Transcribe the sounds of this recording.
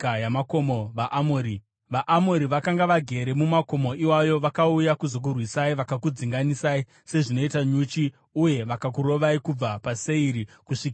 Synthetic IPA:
jamakomoʋaʔmoɾi | ʋaʔːmoɾiʋakaŋɡaʋaɡʱe̞ɾe̞mumako̞mo̞ʔiwajo̞ʋakaujakuzo̞k̬urwisaiʋakakud͡ziŋɡanisai | se̞ʐino̞itaɲut͡ʃi | uje̞ʋakak̬uɾo̞ʋaikub͡vapase̞iɾikuʂika

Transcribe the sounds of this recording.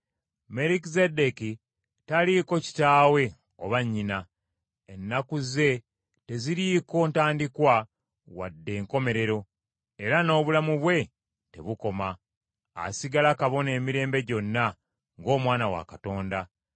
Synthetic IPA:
me̞ɾikizedeki | taliko̞ci̥taːwe̞ | oβaɲːina | enːakuze̞ | te̞ziɾiko̞ntaːndikwa | wa̰dːe̞ːŋko̞me̞ɾe̞ɾo̞ | e̞ɾano̞ːβulamuβwe̞ | te̞̰βuko̞ma̰ː | siɡalakaβo̞ne̞ːmiɾe̞ːmbe̞ɟo̞nːa | ŋɡo̞ːmwaːnawa̰kato̞ːnda

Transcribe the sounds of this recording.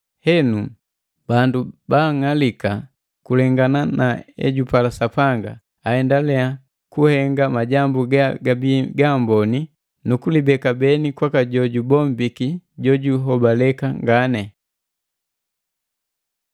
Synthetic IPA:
hɛnu | bandubaːŋalika | kulɛŋɡananaɛ̰ɟupalasapaŋɡa | ahɛndalɛa | kuhɛŋɡamaɟambuɡaɡabiɡambɔni | nukulibɛkabɛnikwakaɟɔɟubɔmbikiɟɔɟuɦɔbalɛkaŋɡanɛ

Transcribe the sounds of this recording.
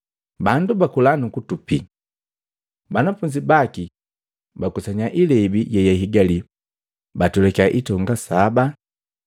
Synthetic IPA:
bandubakulanukutupi | banafuɲd͡ʒibaki | bakusaɲaʔilɛbiɟɛjaɦiɡali | batulɛkaʔitɔŋɡasaba

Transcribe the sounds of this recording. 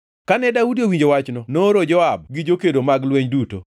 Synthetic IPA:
kanɛdaudiowiɲd͡ʒowat͡ʃnɔnoɾod͡ʒɔab̚ɡɪd͡ʒokedomaɡlweɲduto

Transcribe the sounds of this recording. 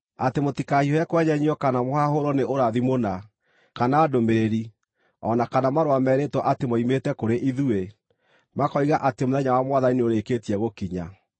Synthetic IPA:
atemotikahiɔɛkwɛɲɛɲiɔkanamohaɦoɾɔneoɾaðimona | kanaːdomeɾeɾi | ɔnakanamaɾowamɛːɾetwɔʔatemoimetɛkoɾeʔiðue | makɔiɣaʔatemoðɛɲawamwaðanineoɾekeːtiɛɣokiɲa̰

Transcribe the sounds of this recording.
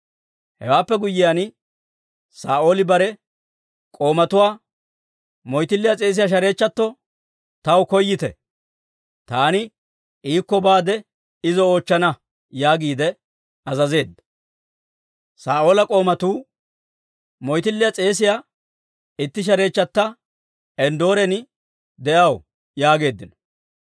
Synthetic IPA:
hɛ̰waːpːɛɡʊjːɪjan | saːʔo̞ːlɪbɐɾɛ | kʼo̞ːmɐt̪ʊwaː | mɔjt̪ɪlːɪjat͡sʼe̞ːs̬ɪjaːʃ̬ɐɾe̞ːt͡ʃːɐt̪ːɔ | t̪ɐwkɔjːɪt̪ɛ̰ | t̪aːnɪ | iːkːɔbaːd̪ɛ | ɪzɔoːt͡ʃːɐnɐ | jaːɡiːd̪ɛ | ɐzɐze̞ːd̪ːɐ̥ | saːʔo̞ːlɐkʼo̞ːmɐt̪uː | mɔjt̪ɪlːɪjat͡sʼe̞ːs̬ɪjaː | ɪt̪ːɪʃ̬ɐɾe̞ːt͡ʃːɐt̪ːɐ | ɛnd̪o̞ːɾɛn | d̪ɛʔɐw | jaːɡe̞ːd̪ːɪnɔ̥

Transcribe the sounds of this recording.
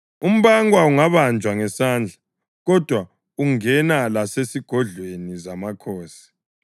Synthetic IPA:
um̩βaŋwauŋaβand͡ʒʱwaŋɛsaːnd͡ɮʱa | ɣɔd̥ʱwa | uŋɛnalasesiɡ̥ʱɔɮwenizamakʰoːsi̥

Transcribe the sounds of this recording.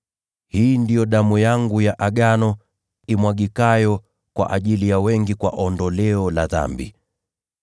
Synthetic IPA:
hiːndijɔɗamujaŋɡujaʔaɠanɔ | imwaɡikajɔ | kwa̰ʔaʄilijawɛŋɡikwa̰ʔɔndɔlɛɔla̰ða̰mbḭ

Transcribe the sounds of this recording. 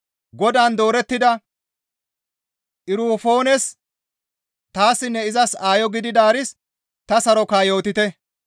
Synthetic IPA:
ɡɔd̪aːnd̪o̞ːɾɛt̪ːɪd̪ɐ | ʔɪɾuːfo̞ːnɛs | t̪aːsːɪnːɛɪzɐsaːjɔɡɪd̪ɪd̪aːɾɪs | t̪ɐsɐɾɔkaːjo̞ːt̪ɪt̪ɛ

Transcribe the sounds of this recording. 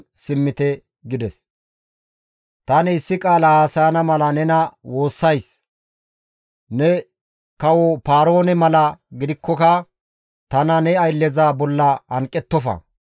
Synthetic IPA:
sɪmːɪt̪ɛ | ɡɪd̪ɛs | t̪ɐnɪɪsːɪkʼaːlahaːsɐjɐnɐmɐlɐnɛnɐwo̞ːsːɐjs | nɛ | kɐwɔpaːɾo̞ːnɛmɐlɐɡɪd̪ɪkʰːɔkɐ | t̪ɐnɐnɛɐjlːɛzaːbɔlːɐɐŋkʼːɛt̪ːɔfɐ̰

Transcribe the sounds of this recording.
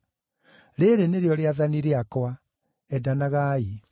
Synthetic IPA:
ɾeɾeneɾeɔɾeaðaniɾeakwa | ɛdanaɣai

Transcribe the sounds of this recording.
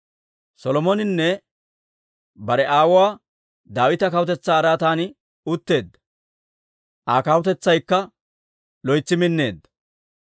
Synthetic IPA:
sɔlɔmɔnɪnːɛ | bɐɾɛʔaːwʊwaː | d̪aːwɪt̪ɐkɐwʊt̪ɛt͡sːaːɾaːt̪aːnɪ | ʊt̪ːe̞ːd̪ːɐ̥ | ʔaːkɐwt̪ɛt͡sːɐjkːɐ | lɔjt͡sːɪmɪnːe̞ːd̪ːɐ̥

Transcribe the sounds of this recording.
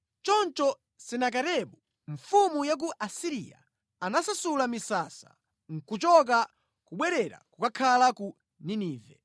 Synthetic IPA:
t͡ʃɔnt͡ʃɔ | sɛnak̬atɛɓu | ɱfumujak̬uʔasiɾḭja̰ | anasasulamisasa̰ | ŋ̩kut͡ʃɔk̬a | kuɓwɛɾɛɾa̰kukakʰalaku | niniːvɛ

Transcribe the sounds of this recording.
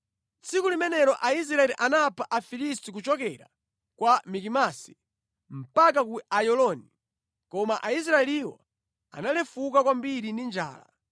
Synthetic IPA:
t͡sikulimɛnɛɾɔʔais̬ɾaɛliʔanapʰaʔafilistik̬ut͡ʃɔkɛɾa | kwamikimasi̥ | m̩pak̬akuajɔlɔni | kɔmaʔais̬ɾaɛliwɔ̰ | a̰nalɛfukakwambiɾindind͡ʒa̰ːla̰

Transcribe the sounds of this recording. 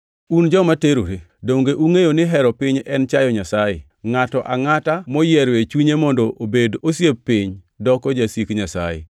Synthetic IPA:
und͡ʒɔmateɾo̰ɾe | doŋɡeʔuŋejonɪɦɛɾɔpɪɲɛnt͡ʃajɔɲasajɪ̰ | ŋatɔʔaŋatamɔjɛɾwet͡ʃuɲemɔndɔobedosjepɪɲ | dɔkɔd͡ʒasikɲasa̰jḛ

